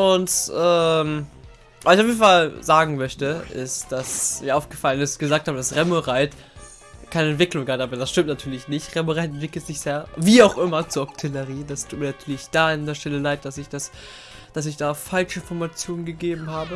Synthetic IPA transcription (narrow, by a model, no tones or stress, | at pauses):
ʔʊntʔɛːm | vaːsɪçaʊfjeːdn̩falzaːɡŋ̩mœçtəʔɪ̰std̥asmiːɐaʊfɡ̥əfalənɪstɡ̥əzaːk̚thaːbədasʁɛmoʁaɪt | kʰaɪnəɛntv̥ɪklʊŋɡaːtʔaːbɐdasʃtɪmtnatʰyːɐlɪçnɪçtʁɛmoʁaɪtɛntv̥ɪkl̩tz̥ɪçz̥aːviːaʊxʔɪmɐt͡suːɐʔɔktʰɪləʁiːd̥astʰu̥ːt̚miɐnatʰyːɐlɪçd̥aːɪndeːɐʃtɛləlaɪt̚d̥asɪçd̥as | d̥as̬ɪçd̥aːfalt͡ʃəɪnfɔɐmat͡sjoːnənɡəɡeːbm̩haːbə